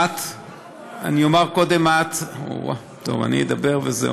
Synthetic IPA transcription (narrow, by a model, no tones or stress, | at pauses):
at̪ | aniomaʁko̞d̪e̞mat̪o̰wa̰ | t̪o̰va̰nḭed̪abeʁvezḛ